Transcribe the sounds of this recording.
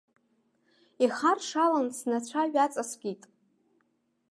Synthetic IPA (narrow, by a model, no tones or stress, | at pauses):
iχarʂalansnat͡ɕʷʰaɥᶣat͡sʼasɡʲitʼ